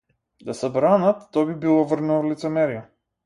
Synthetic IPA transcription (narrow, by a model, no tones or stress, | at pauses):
d̪asɛbɾanat̪ːɔbibilˠɔvr̩nɛɔlit̪sɛmɛɾia